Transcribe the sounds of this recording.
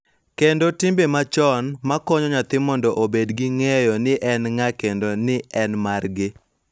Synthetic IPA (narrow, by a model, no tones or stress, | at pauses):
kendotimbemat͡ʃɔnmakɔɲɔɲat̪ɪmɔndɔʔobedɡɪŋɛjɔnɪʔɛnŋakendonɪʔɛnmarɡɪ